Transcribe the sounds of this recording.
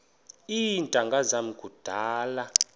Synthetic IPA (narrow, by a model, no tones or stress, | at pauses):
intʼaŋɡʱazamukʼud̥ʱaːla